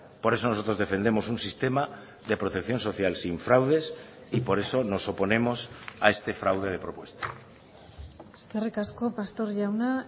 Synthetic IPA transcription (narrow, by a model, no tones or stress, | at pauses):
po̞ɾe̞so̞no̞so̞t̪ɾo̞zðe̞fe̞nd̪e̞mo̞sunsist̪e̞ma | ðe̞pɾo̞t̪e̞kθjo̞nsoθjalsiɱfɾawð̞e̞s | ipo̞ɾe̞so̞no̞so̞po̞ne̞mo̞sa̰e̞st̪e̞fɾawðeðe̞pɾo̞pwe̞st̪ḁ | eskerikasko̞past̪o̞ɾʎawna